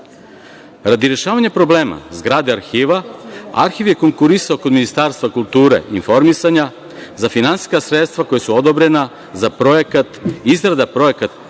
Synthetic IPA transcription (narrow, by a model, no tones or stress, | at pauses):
ɾad̪iɾeʃaːʋaɲapɾo̞bleːma̰zɡɾaːd̪eaɾxiːʋaa̰ɾxiʋje̞ko̞ŋkuɾisaoko̞d̪minist̪aːɾst̪vakulˠt̪uːɾḛinfo̞ɾmisaɲa | zafinansi̥skasɾet̪st̪ʋako̞jesuod̪obɾe̞na | zapɾojekat̪izɡɾad̪apɾo̞jekat̪